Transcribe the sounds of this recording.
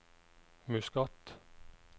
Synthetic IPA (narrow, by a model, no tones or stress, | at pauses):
mʉskɑt̪